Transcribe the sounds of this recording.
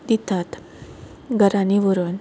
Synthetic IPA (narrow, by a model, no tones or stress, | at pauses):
d̪it̪at̪ | ɡʱəɾaniʋəɾən